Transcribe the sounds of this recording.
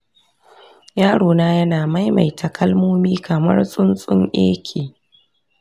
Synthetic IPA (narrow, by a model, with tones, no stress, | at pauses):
jaː˦ɽoː˨naː˦jɐ˦naː˨ma˦jma̰˨jtʰɐ˨kʰɐ˦lmoː˦miː˦kʰɐ˨mɐ̰˦rsʼʊ˦nsʼʊ˦ŋʔḛː˦kʲʰeː˨